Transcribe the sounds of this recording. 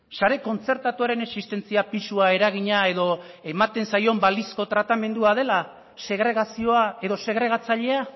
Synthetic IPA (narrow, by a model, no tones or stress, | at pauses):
saɾe̞ko̞nt͡se̞ɾt̪at̪uaɾe̞ne̞ksist̪e̞nt͡siapisuae̞ɾaɣiɲae̞ðo̞ | emat̪e̞nsajo̞mbalisko̞t̪ɾat̪ame̞nd̪uað̞e̞la | se̞ɣɾe̞ɣ̞asio̞ae̞ðo̞se̞ɣ̞ɾe̞ɣ̞at͡saʎe̞a